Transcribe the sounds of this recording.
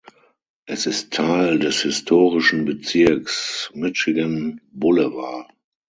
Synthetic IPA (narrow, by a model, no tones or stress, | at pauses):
ʔɛsɪstʰːaɪldɛshɪstʰoːʁɪʃn̩bət͡sɪɐksmɪʃɪɡənbʊləva